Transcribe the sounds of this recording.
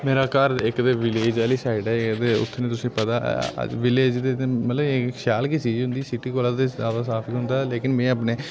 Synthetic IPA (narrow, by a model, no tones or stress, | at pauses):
meːɾaːkəɾɪkd̪eːʋɪleːd͡ʒaːliːsaːɪɖɛːɪkd̪eːʊ̰t̪ʰːnẽːt̪ʊsĩːpət̪a̰ːʋɪleːd͡ʒd̪emət̪ləbʃaːlkisiːd͡ʒɦʊ̃nd̪iːsɪʈiːkoːlãːt̪eːaːbaːsaːpʰiːɦʊ̃nd̪aːleːkɪnmɛ̃ːəp̬neː